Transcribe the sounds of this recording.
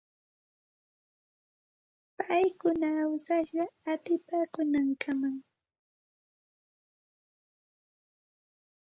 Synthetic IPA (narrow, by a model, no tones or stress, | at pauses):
pajkʊnaːwsaʃɢɑat̪ɪpakʊnaŋkʰamaŋ